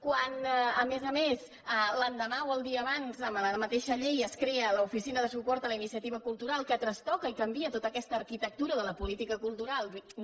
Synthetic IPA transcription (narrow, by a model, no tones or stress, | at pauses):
kwanəmezəmes | ələnd̪əmawəlˠd̪iəːβanzəmləmət̪eʃəʎejəskɾeələufisinəðəsupɔɾt̪ələinisiət̪iβəkulˠt̪uɾalˠkət̪ɾəst̪ɔkəikəmbiət̪ot̪əkɛst̪əːɾkit̪ək̚t̪uɾəðələpulit̪ikəkulˠt̪uɾalˠd̪